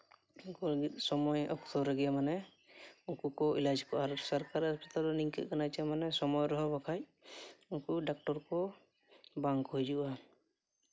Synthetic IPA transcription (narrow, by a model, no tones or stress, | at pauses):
ukɔlaɡit̪̚ˀsɔmɔjɔ̰kt̪ʰɔɾɛɡɛjamanɛ | ukukɔilad͡ʒkɔʔaɾsaɾkaɾaspat̪alɔniŋkɛ̰t̪̚kanajt͡ʃamanɛsɔmɔjɾɔɦɔbakʰajukuɖak̚ʈɔɾkɔ | baŋkɦujd͡ʒuʔa